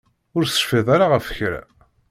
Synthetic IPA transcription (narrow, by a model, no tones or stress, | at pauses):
ʊɾsə̥ʃfɪðˤaɾaʁəfə̥çɾæ̰